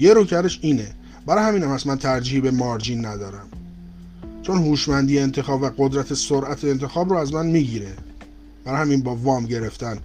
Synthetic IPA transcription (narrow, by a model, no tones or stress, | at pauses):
je̞ɾucʰæɾeʃiːne | bæɾɒːjhæmiːnæmæsmænt̪ʰæɾd͡ʒːihbe̞mɒːɾd͡ʒiːnːæd̪ɒːɾæm | t͡ʃʰo̞nhuːʃmænd̪ijeent̪ʰe̞xɒːbvæɡod̪ɾæt̪ʰe̞soɾʔæt̪ʰeːnt̪ʰe̞xɒːbɾoːæzmænmiːɟiːɾe̞ | b̥æɾɒːjhæminbɒːvɒːmɟe̞ɾe̞ft̪æn